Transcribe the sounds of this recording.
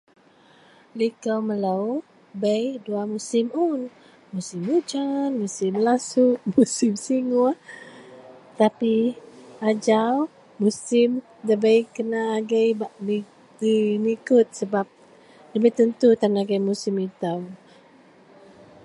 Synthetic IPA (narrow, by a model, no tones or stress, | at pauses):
likəwmələw | bəjduamusɪmun | musimud͡ʒanmusɪmlasuʔmusɪmsiŋu | t̪apiad͡ʒaw | musɪm | d̪əbəjkənaːɡajbaʔni | dinikʊt̪̚səbap̚ | dəbət̪ənt̪ut̪anaɡajmusimit̪aw